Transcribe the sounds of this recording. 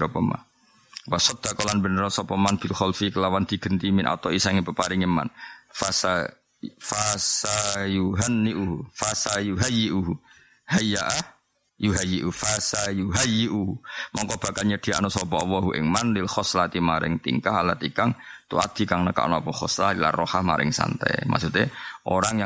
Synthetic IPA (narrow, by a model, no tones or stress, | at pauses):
ɔpəma̰n | wasɔt̪̚d̪̥akɔlanbənəɾɔsɔpəmanb̥ilxɔlfikəlawand̪̥i̤ɡ̥ənt̪imɪnʔa̰t̪ɔwisaŋipəpaɾɪŋəma̰nfasa | fasajuɦanːiʔuɦufasajuɦajːiʔuɦu | hajaʔah | juɦajiʔufasajuɦajːiʔuhmɔŋkɔb̥a̤kalɲəd̪̥i̤a̰nɔsɔbɔʔwɔɦuʔɪ̰ŋmanlilxɔslat̪imaɾɪ̰ŋt̪ḭŋkaɦalat̪ikaŋt̪ua̰t̪̚d̪̥i̤kaŋnəka̰ʔnoapɔχɔslaila̰rɔhahma̰ɾɪ̰ŋsa̰nt̪ɛ̰jma̰sut̪eʔoɾaŋja